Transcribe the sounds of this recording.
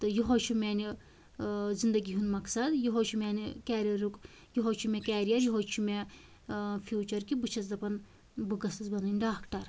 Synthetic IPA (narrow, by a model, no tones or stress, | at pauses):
t̪ɨjuɦot͡ʃʰumʲɛːni | zind̪ɐɡʲiɦunmɐksɐd̪juɦot͡ʃʰumʲɛːnikɛːɾiɐɾuk | juɦoːt͡ʃʰumʲekʲɛːɾijɐɾjiɦot͡ʃʰumʲe | fʰjuːt͡ʃɐɾkibɨt͡ʃʰɐzd̪ɐpɐn | bɨɡɐsɐzbɐnɐnɖaːkʈɐɾ